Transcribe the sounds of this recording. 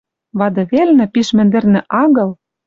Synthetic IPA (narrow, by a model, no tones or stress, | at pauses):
βɑd̪ɤ̆βelnɘ̆piʃmɘ̆nd̪ɘ̆rnɘ̆ʔɑɣɤ̆l